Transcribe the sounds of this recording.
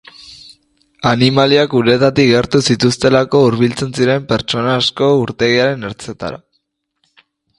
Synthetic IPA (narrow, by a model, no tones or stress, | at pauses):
animaliakuɾe̞t̪at̪iɣeɾt̪usit̪ust̪e̞lako̞uɾβ̞ilt͡se̞nsiɾe̞mpe̞ɾt͡ʃo̞naːsko̞uɾt̪e̞ɣiaɾe̞ne̞ɾt͡se̞t̪a̰ɾa̰